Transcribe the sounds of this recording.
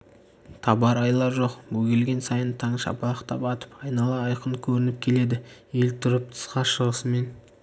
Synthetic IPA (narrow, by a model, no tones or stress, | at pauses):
t̪ʰɑbɑɾɑjlˠɑɾʒo̞qwɵɡʲe̞lɡʲe̞nsɑjənt̪ʰɑɴʃɑ̰pɑɑqt̪ɑpɑt̪ə̥pɑjnɑlˠɑɑjqəɴkʲʰɵɾɪnɪp̚kʲʰe̞le̞d̪ɪje̞lt̪ʰʊɾəp̚t̪ʰə̥sqɑʃəʁəsəme̞n